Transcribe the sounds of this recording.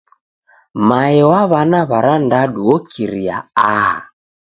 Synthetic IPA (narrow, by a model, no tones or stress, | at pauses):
maɛwaβanaβaɾandaɗuɔkʰiɾia̰aɦa̰